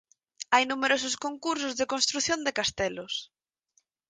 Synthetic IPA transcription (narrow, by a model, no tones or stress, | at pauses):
ajnumeɾosʊskoŋkuɾs̬ʊzðekõnst̪ɾuθjond̪ekast̪ɛlos